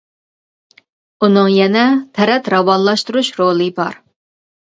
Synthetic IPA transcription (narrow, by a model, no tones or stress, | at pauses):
unɨŋjɛnɛt̪ʰɛɾɛt̪ɾɑwɑnlˠɑʃt̪uɾuʃɾolˠɨbɑ̰ɾ